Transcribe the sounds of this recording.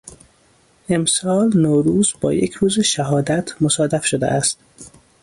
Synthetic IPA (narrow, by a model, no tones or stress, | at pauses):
ʔe̞msɒːlnoːɾuːzbɒ̰ːjecʰɾuːzeʃæɦɒːd̪æt̪ʰmosɒːd̪æfʃod̪ḛʔæst̪